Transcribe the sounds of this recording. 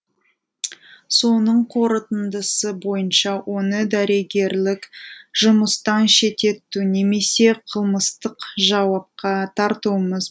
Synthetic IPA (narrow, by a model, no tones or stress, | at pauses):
so̞nəɴqʰo̞ɾət̪ənd̪əsəbo̞jənʃɑwʔo̞nəd̪æɾe̞ɡʲe̞ɾlɪkʒʊməst̪ɑnʃe̞t̪e̞t̪ːune̞me̞se̞qʰəlˠməst̪əqʒɑwɑp̚qɑt̪ʰɑɾt̪uwməz